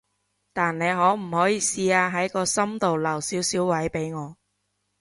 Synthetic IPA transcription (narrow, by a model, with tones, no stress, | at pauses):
t̪aː˨nne˨˧jɦɔː˨˥m̩˨˩hɔː˨˥jiː˨˧siː˧aː˧ɦɐ˨˥jkɔː˧sɐ˥mt̪o˨wlɐ˨˩wsiː˨˥wsiː˨˥wwɐ˨˥jpe˨˥jŋɔː˨˧